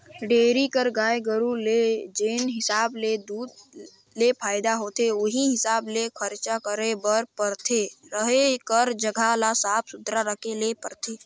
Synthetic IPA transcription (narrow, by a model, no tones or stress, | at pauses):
ɖeːɾikəɾɡaːjɡəɾuled͡ʒeːnɦɪsaːbled̪uːd̪ | lepʰaːɪd̪aɦoːt̪ʰeoɦiɦɪsaːblekʰəɾt͡ʃakəɾebəɾpəɾt̪ʰeɾəɦekəɾd͡ʒəɡʱalasaːpʰsʊd̪ɾaɾəkʰelepəɾt̪ʰeː